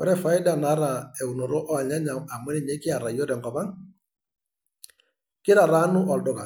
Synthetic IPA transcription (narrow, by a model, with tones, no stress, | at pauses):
kɔ˨˦ɾɛ˦fa˨ɪ˦da˨na˨˦ɾa˨ɛ˨u˨nɔ˨ɾɔ˦ʔɔ˦a˨ɲa˦ɲa˨ma˨mʊ˦ɛ˨ɲɛ˦kɪ˦a˨ɾa˨jɔ˦ɾɛ˨ŋɡɔ˨pa˦ŋ | kɪ˦ɾa˨ɾa˦nʊ˦ʔɔ˨dɔ˨ka˨